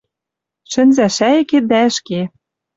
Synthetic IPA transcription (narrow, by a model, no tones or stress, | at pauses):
ʃɘ̆nzæʃæĕked̪æɘ̆ʃke